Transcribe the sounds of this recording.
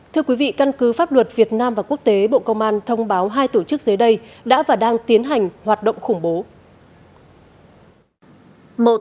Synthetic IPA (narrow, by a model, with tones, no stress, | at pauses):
t̪ʰɨ˧əkwi˨˦vḭ˧˨ka˧nkɨ˨˦faː˦˥p̚lwə˨˩t̚vi˨˩ət̚naː˧mvaː˨˩ku˦˥ək̚t̪e˨˦ɓo̰˧˨kə˧wŋ͡mʔaː˧nt̪ʰə˧wŋ͡mɓaː˨˦wɦaː˧jt̪o˧˩t͡ɕɨ˦˥k̚zəː˨˦jɗə˧jɗa̰ː˧˥vaː˨˩ɗaː˧ŋt̪i˨˦ənɦa˨˩jŋ̟hwaː˨˩t̚ɗə̰˧˨wŋ͡mxʊ˧˩ŋ͡mɓo˨˦ | mo̰˧˨